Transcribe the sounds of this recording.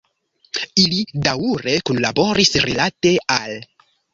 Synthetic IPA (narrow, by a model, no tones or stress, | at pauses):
ilidawuɾe̞kunlabo̞ɾisɾilate̞al